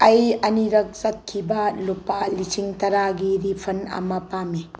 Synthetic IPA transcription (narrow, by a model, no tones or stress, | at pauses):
ɐjɐniɾɐk̚sɐt̚kʰibɐlupalisiŋtɐɾaɡiɾipʰɐnɐ̰mɐpami